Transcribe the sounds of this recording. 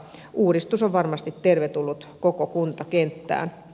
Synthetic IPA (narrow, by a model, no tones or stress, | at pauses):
ʔuːdist̪usoʋʋɑrmɑst̪it̪t̪erʋet̪ulːut̪kokokunt̪ɑkent̪ːæ̰ːn